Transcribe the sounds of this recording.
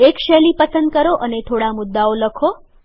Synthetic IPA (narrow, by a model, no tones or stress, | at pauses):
ekʃɛlipəsənd̪̚kəɾoʔənet̪ʰoɽamʊd̪ːaoləkʰo